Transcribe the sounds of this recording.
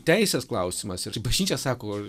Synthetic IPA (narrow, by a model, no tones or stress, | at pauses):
t̪ʲæɪsʲesklˠɐʊsʲɪmɐsɪbɐʒʲnʲiːt͡ʃʲɛssɑːkoː